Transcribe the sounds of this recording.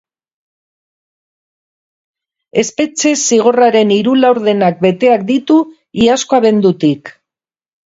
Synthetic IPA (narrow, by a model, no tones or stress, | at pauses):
e̞spe̞t͡se̞siɣ̞o̞raɾe̞niɾulawɾðe̞nak̚be̞t̪e̞ak̚d̪it̪u | iasko̞aβe̞nd̪ut̪ik